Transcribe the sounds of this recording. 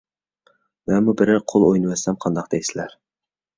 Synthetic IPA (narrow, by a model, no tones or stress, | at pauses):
mɛnmubɪɾɪqʰolˠojnɨwɛsɛmqʰɑnd̪ɑqd̪ɛjsɪlæɾ